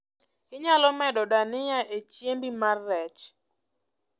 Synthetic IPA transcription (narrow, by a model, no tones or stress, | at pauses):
kɪɲalɔmɛdɔdanɪjaʔet͡ʃjembimarːɛt͡ʃ